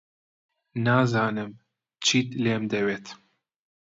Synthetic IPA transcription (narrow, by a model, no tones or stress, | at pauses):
naːzɑːnɨm | t͡ʃʰiːt̪leːmd̪ɛweːt̪